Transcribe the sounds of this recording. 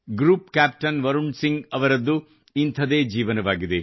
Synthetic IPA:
ɡɾuːpkaːp̚ʈɐnʋɐɾuɳɖsiŋɡɐʋɐɾɐd̪ːu | int̪ʰɐd̪eːd͡ʒiːʋɐnɐʋaːɡid̪e

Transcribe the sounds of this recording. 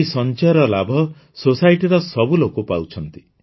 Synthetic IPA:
isɔnt͡ʃaɔɾɔlabʱɔ | sosajʈiɾɔsɔbulokopawt͡ʃʰɔnt̪i

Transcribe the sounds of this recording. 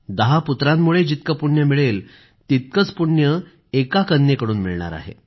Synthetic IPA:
d̪əɦaput̪ɾamːuɭed͡ʑit̪kəpuɳjəmiɭel | t̪it̪̚kət͡spuɳjə | ekakənːekəɽuːnmiɭɳa̰ɾa̰ɦḛ

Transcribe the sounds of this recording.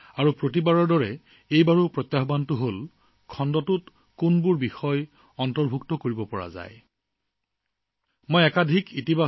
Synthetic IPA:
aɹupɹot̬ibaɹɔɹdɔɹɛ | ejbaɹupɹɔt̪jaɦɔbantʊɦol | kʰɔndɔtʊt | kunbʊɹbixɔj | ɔntɔɹbʱuktɔkoɹibɔpɔɹa̰za̰j | mojɛkadʱikʰitiba

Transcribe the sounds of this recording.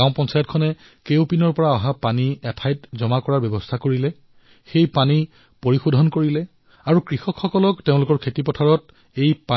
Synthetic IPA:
aʊ̃pɔnsajɔt̚kʰɔnɛ | kewpinɔɹpɔɹaɔɦapaniɛtʰajtzɔmakɔɹaɹbjɛbɔstʰakoɹilɛ | xejpani | poɹixudʱɔnkoɹilɛ | aɹukɹixɔkxɔkɔlɔkteʊ̃lʊkɔɹkʰetipɔtʰaɹɔt | ejpa

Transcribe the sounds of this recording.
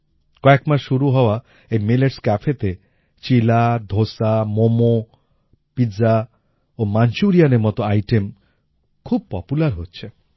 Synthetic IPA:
kɔekmasʃuɾuɦɔwa | emeleʈskapʰet̪e | t͡ʃilad̪ʱosamomo | pid͡za | omant͡ʃuɾijanemɔt̪ɔajʈem | kʰub̚pɔpulaɾɦotːt͡ʃʰe

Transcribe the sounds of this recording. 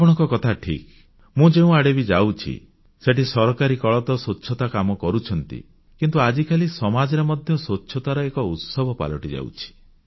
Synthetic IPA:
apɔɽ̃ɔ̃ŋkɔkɔt̪ʰaʈʰḭk | mũd͡ʒeũaɽebid͡ʒawt͡ʃʰḭ | seʈisɔɾɔkaɾikɔɭɔt̪ɔsotːʃʰɔt̪akamɔkɔɾut͡ʃʰɔnt̪ḭ | kint̪uad͡ʒikʰalisɔmad͡ʒɔɾemɔd̪ʱjɔsotːʃʰɔt̪aɾɔekɔut̪sɔbʱɔpa̰lɔʈid͡ʒa̰w̰t͡ʃʰi̥

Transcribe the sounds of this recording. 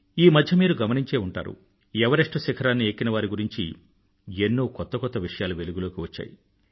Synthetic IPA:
iːmɐd̪ʱjɐmiːɾuɡɐmɐniɲt͡ʃe̞ːuɳʈa̰ːɾṵ | ɛʋɐɾeʂʈɐsikʰɐɾaːnːieːkːinɐʋaːɾiɡuɾiɲt͡ʃi | enːuːkɔt̪ːɐkɔt̪ːɐʋiʂɐjaːluʋe̞luɡulo̞ːkiʋɐt͡ʃːa̰ːjḭ

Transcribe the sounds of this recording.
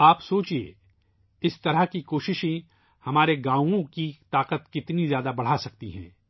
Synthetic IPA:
aːpsoːt͡ʃiḛ | ɪst̪ɐɾəɦkikoːʃɪʃẽ | hɐmaːɾeɡãːõkit̪aːqət̪kɪt̪nizjaːd̪abɐɽ̤asɐk̚t̪iɦɛ̰̃ː

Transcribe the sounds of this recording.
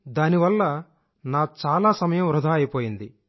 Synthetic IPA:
d̪aːniʋɐlːɐ | naːt͡ʃaːlaːsɐmɐjɐmɾud̪ʱaːɐjipoːjind̪i

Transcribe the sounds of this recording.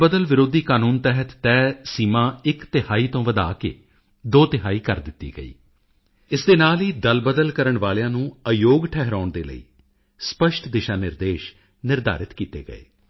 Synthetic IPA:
bəd̪əlʋɪɾoːd̪iːkaːnuːnt̪ɛɦət̪ːɛːsiːmãːɪkt̪ɪhaːiːt̪õːʋəd̪a̰ːkḛː | d̪oːt̪ɪɦaːiːkəɾd̪ɪt̪ːḭːɡə̰ḭː | ɪsd̪eːnaːliːd̪əlbəd̪əlkəɾəɳʋaːlejãːnũːəjoːɡʈʰɛɦɾaːʊɳd̪eːlə̰ḭː | spəʃʈd̪ɪʃaːnɪɾd̪eːʃ | nɪɾd̪a̰ːɾɪt̪kiːt̪ḛːɡə̰ḛː

